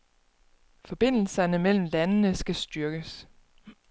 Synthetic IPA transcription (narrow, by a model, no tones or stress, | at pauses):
fɒ̽b̥e̝n̰l̩sɐnəmel̰m̩lænnəsɡ̥æsd̥ɶɐɡ̥əs